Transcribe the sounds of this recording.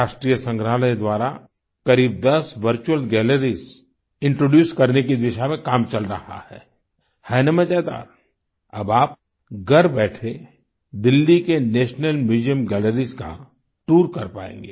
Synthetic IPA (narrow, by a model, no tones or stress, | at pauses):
aːʃʈɾiːjəsə̃ŋɡɾaɦləjd̪waːɾa | kɐɾiːb̚d̪ɐsʋəɾt͡ʃuəlɡɛːləɾiz | ɪ̃ɳʈɾoːɖjuːskɐɾnekid̪ɪʃamẽkaːmt͡ʃɐlɾɐha̰hɛ̰ː | hɛːnəmə̃d͡ʒaːd̪a̰ːɾ | ɐbaːp̚ | ɡɐɾbɛːʈʰe | d̪ɪlːikeneːʃnəlmɪd͡ʒijəmɡɛːləɾizka̰ | ʈuːɾkɐɾpa̰ːḛ̃ːŋɡeː